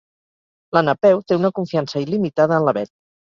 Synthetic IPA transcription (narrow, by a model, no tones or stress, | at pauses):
lənəpɛwt̪eunəkuɱfiansəilimit̪að̞əːnləβɛt̪̚